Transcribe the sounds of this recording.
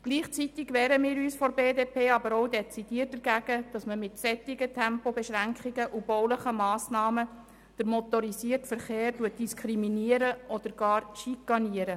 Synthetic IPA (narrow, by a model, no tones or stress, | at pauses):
ɡ̥liːχt͡sit̪ɪɡʋɛːɾəmiːɾyːsfɔɾbeːdeːpʰeːɑbəɾoʊdɛt͡sid̥iːt̚dəɾɡæɡəd̥ɑsməmɪtsɛt̪ːɪɡətʰɛmpobɛʃɾæŋkʰχiɡəʔub̥ɔwləχəmɑːsnɑːmə | d̥əɾmɔt̪ɔɾisiərtfəɾχeːrtuət̚d̥iskʰɾiminiəɾəʔɔd̥̪əɾɡ̥ɑːɾʃikːɑniəɾə